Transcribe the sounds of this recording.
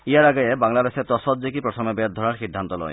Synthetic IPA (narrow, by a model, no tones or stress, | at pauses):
ijaɾaɡɔjebaŋlad̪eset̪ɔsɔt̪̚zekipɾɔt̪ʰɔmebet̪̚d̪ʱɔɾaɾxid̪ʱːant̪ɔlɔ̰j̰